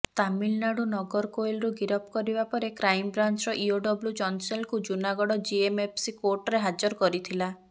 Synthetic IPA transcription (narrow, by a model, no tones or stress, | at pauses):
t̪amilnaɽunɔɡɔɾkojlɾuɡiɾɔp̚kɔɾibapɔɾekɾajmɔbɾant͡ʃɾɔʔioɖɔbljud͡ʒɔnselkud͡ʒunaɡɔɽɔd͡ʒiemepʰsikoɾʈɔɾeɦad͡ʒɔɾkɔɾit̪ʰila